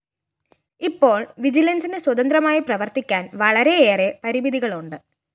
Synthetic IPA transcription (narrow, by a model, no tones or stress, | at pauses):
ipːo̞ːɭʋid͡ʑilɐnsinɨswɐd̪ɐnd̪rɐmaːjiprɐʋɐrt̪ikʲːaːnʋɐɭɐɾe̞eːre̞pɐɾibiðiɣɐɭuɳɖɨ